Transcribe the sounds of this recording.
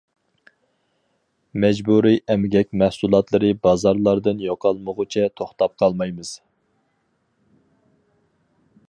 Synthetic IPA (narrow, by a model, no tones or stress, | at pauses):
mɛd͡ʒbuɾiʔɛmɡʲɛkʲmɛhsulˠɑt̪lˠɨɾɨbɑzɑɾlˠɑɾd̪ɨnjoqʰɑlˠməʁʊt͡ʃʰɛt̪ʰoχt̪ɑp̚qʰɑlˠmɑjmɨz̥